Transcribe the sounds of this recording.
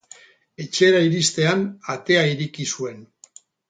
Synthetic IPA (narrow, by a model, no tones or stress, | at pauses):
e̞t͡ʃe̞ɾaiɾist̪e̞anat̪e̞aiɾikisue̞n